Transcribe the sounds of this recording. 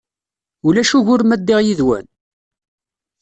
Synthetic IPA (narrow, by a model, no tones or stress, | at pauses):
ulæʃuʝʊɾmæd̪ːiʁjiðwæ̰n